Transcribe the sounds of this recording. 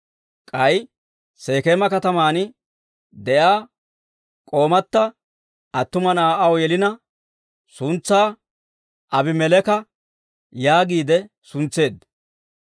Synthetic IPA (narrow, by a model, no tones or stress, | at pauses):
kʼɐj | se̞ːkeːmɐkɐt̪ɐmaːnɪ | d̪ɛjaː | kʼo̞ːmɐt̪ːɐ | ʔɐt̪ːʊmɐnaːʔɐwjɛlɪnɐ | sʊnt͡sːaː | ʔɐbɪmɛlɛkɐ | jaːɡiːd̪ɛ | sʊnt͡sːe̞ːd̪ɐ